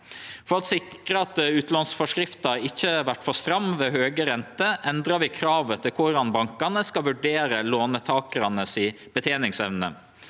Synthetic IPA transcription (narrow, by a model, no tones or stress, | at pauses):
fɔɾɑt̪sɪkɾəɑt̪ʉːt̪lɑnsfɔʂkɾɪft̪ɑɾɪçːəʋæʈːfɔst̪ɾɑmːʋeːɦøːɡəɾɛnt̪əʔɛnd̪ɾɑʋɪkʰɾɑːʋət̪ʰɪlkʰʊɖɑnbɑŋkɑnəskɑʋʉɖeːɾəloːnət̪ʰɑːkəɾɑnəsɪ | b̥ət̪ʰeːnɪŋsɛʋnə̰